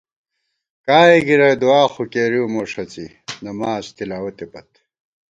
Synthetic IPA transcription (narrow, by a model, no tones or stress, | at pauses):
kaːeɡiɾɐjd̪uaːxukeːɾiwmoːʂɐt͡si | nɐmaːzt̪ilaːwɐt̪epɐt̪